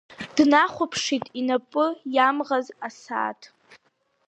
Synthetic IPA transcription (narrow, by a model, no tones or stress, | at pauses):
d̥naχʷʊpʰʂitʼinapʼʊjamʁazasa̰ːtʰ